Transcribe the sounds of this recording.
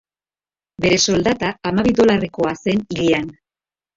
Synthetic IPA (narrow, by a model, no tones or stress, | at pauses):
be̞ɾe̞so̞ld̪at̪aːmaβiðo̞lare̞ko̞ase̞niʎian